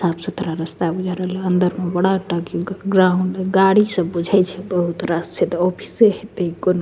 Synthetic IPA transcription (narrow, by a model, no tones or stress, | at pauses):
sabsət̪ɾaɾəst̪abud͡ʒʱaɾəɦleənd̪əɾmebəɽaʈəkiɡɾauɳɖɡaɽisə̃bud͡ʒʱɛt͡ʃʰɛbəɦut̪ɾast͡ʃʰɛt̪ɔpʰi̥seɦet̪ekono